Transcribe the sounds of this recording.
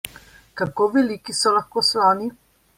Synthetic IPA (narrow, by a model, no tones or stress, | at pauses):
kakoːʋɛlikisɔlaxkoslaːni